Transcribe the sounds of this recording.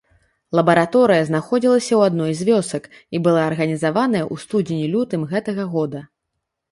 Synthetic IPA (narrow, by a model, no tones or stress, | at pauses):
lˠɐbɐɾat̪ɔɾɨjɐznaxɔd͡zʲilˠɐsʲɐwad̪nɔjzʲvʲɔsɐk | ibɨlˠaɐrɣɐnʲizavanɐjɐʔust̪ud͡zʲenʲilʲut̪ɨmɣɛt̪ɐɣɐɣɔd̪ɐ